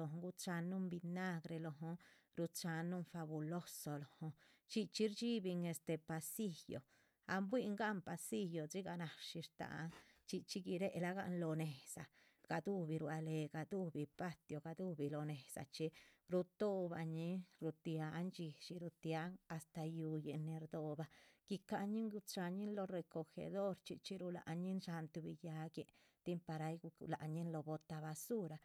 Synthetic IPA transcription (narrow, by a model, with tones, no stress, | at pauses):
o˧ɦɡu˧t͡ʃa˧nːu˦mbi˧na˦ɡɾe˧lo˧ɦo˧ | ɾu˧t͡ʃa˧nːu˦nfa˧bu˧lo˦so˧lo˨ho˧ | t͡ʃi˧t͡ʃi˦ɾt͡ʃi˦bi˧ŋe˧st̪e˧pa˧si˦jo̰˨ | a̰˧mbwi˦ŋɡa˦mpa˧si˦jo˨t͡si˦ɡa˧na˨ʂi˧ɾt̪a̰˨˦ŋt͡ʃi˧t͡ʃi˦ɡi˧ɾe˦ʔla˦ɡa̰˧ʔnlo˧ne˨sa˨ | ɡ̥a˧d̪u˦bi˧ɾwa˧le˨˧ɡa˧d̪u˦˧bi˧pa˦t̪jo˧ɡa˧d̪u˦bi˧lo˧ne˨sa̰˨t͡ʃi˧ɾu˧t̪o˦ba˨˧ɲi˦ɾu˧t̪ja˧˦nt͡ʃi˧ʃi˧ɾu˧t̪ja˧˦ŋa˨st̪a˧ju˧je˨ne˧ɾd̪o˧ba˧ɡ̥i˧ka˧ɲi˦ŋɡu˧t͡sʃa˧ɲi˦nlo˧ɾe˧ko˧xḛ˧d̪o˦ɾt͡ʃi˧t͡ʃi˦ɾu˧la̰˨ʔɲi˦nʃa˧nt̪u˧bi˧ja˧ɡje˧ | t̪i˦mpa˧ɾa˧jɡu˧la˨ɲi˦nlo˧bo˧t̪a˧βa˧su˦ɾa˨